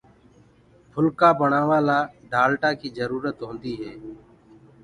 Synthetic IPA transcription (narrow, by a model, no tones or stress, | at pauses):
bʰʱʊlkaːbəɳaːʋaːlaːɖʱaːlʈaːkiːzəɾuːɾət̪ɦõːnd̪iːɦɛː